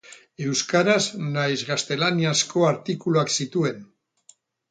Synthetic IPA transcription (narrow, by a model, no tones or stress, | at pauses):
e̞wskaɾaznajzɣast̪e̞laniasko̞aɾt̪ikuluaksit̪ue̞n